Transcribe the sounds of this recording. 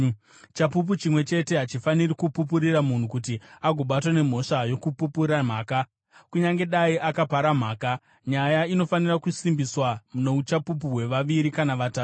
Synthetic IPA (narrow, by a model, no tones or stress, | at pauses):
t͡ʃapup̬ut͡ʃimwe̞t͡ʃe̞te̞ɦat͡ʃifanirikupupuɾiramun̤ukutiaɡʱo̞ɓat̬wane̞m̤o̞ʂajo̞kupupuɾam̤aːka | kuɲaŋɡe̞ɗaiʔakapaɾam̤aːka | ɲajaino̞fanirakusimbiswamuno̞ut͡ʃapup̬uɦwe̞ʋaʋiɾikanaʋataːtu